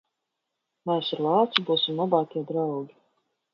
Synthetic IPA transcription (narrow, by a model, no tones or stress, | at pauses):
mɛːsiɾlˠɑːt̪sibuːsimnɔbɑːt̪ʲiɛd̪ɾawɡʲi